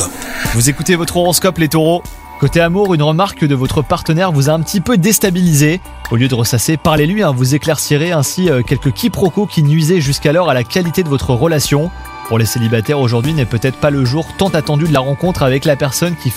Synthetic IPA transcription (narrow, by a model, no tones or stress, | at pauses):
vuzekut̪evɔt̪χoʁɔskɔplet̪oʁo | kot̪eamuʁynʁəmaʁkd̪əvɔt̪χəpaʁt̪ənɛʁvuzaɛ̃pət̪ipød̪est̪abilize | oljød̪əʁəsasepaʁlelɥiɛ̃vuzeklɛʁsiʁeɛ̃siøkʲɛlkəkʲʰipχɔkokʲinɥizɛʒyskalɔʁalakʲalit̪ed̪əvɔt̪χəʁəlasjɔ̃ | puʁleselibat̪ɛʁoʒuʁd̪ɥinɛpøt̪ɛt̪χə̥paləʒuʁt̪ɑ̃t̪at̪ɑ̃d̪yd̪əlaʁɑ̃kɔ̃t̪χavɛklapɛʁsɔnkʲi